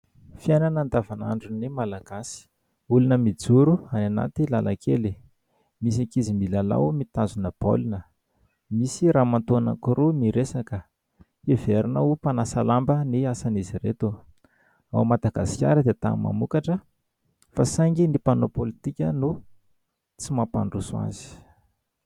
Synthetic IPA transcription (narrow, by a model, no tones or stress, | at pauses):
fiajnanand̪avana̰ɳɖ͡ʐunimalaɡ̥asi̥ | ulunəmid͡zuɾuanana̰t̪ilalakʰeli | mis̬akizimilala̰mit̪azunəb̥o̰linə | misiɾaːmant̪uana̰kuɾumiɾesakə | eveɾinaupanasalambəniasaniziɾet̪u | a̰wmad̪aɡasi̥kʲa̰ɾəd̪et̪a̰ma̰mukaʈ͡ʂə | fasaŋɡinipanopolit̪ikʲənu | t͡simapa̰ɳɖ͡ʐusua̰z̥i̥